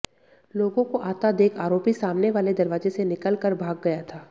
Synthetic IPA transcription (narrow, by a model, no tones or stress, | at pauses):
loːɡõkoʔaːt̪ad̪eːkʰaːɾoːpisaːmneʋaːled̪ɐɾʋaːzesenɪkəlkəɾbʱaːɡːɐjat̪ʰaː